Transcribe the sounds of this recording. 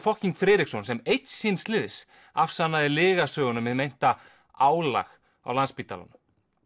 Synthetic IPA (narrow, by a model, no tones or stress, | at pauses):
fɔhciŋkfɾɛːɾiksɔnsɛmejt̪sinst̪lɪðs | afsanːaðɪlɪːɣasœːɣʏnʏmːɪðmejn̥t̪a | aːwla̰x | a̰wlanspiːt̪a̰la̰nʏ